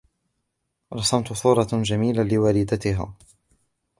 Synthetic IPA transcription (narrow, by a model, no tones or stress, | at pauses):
ɾˤɑsɑmt̪ʊsuːɾˤɑʒamiːlalɪwaːlɪd̪at̪ɪɦa̰ː